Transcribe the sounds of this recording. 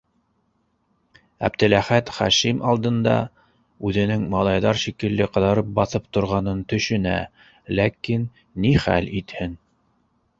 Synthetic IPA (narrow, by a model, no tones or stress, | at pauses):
æ̰bd̪ɘ̆læχæt̪χæʃimʔɑlˠd̪ɤ̆nd̪ɑ̰ | ʉðɘ̆nɘŋmɑlˠɑjðɑɾʃikɘ̆lːɘqɤ̆ðɑɾɤp̚bɑθɤp̚t̪ŏɾʁɑnɤnt̪ɵ̆ʃɵ̆næ̰ | lækinː | iχæ̰lit̪hɘn